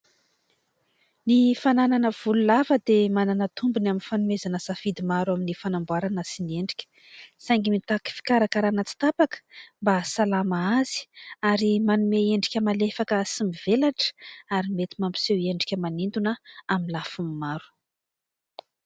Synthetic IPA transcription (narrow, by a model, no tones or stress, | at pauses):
nifanananəv̥ululavəd̪emananət̪umbunaminfanumezanəzafid̪imaɾuaminifanambwaɾanəsinieɳɖ͡ʐikʲə̥ | sajŋɡimit̪aki̥fi̥kaɾakaɾanət͡si̥t̪apakə̥mbasalamaazi̥aɾimanumeeɳɖ͡ʐikʲəmalefakəsimiv̥elaʈ͡ʂə̥aɾimet̪imampi̥seweɳɖ͡ʐikʲəmanind̪unəaminlafumimaɾu̥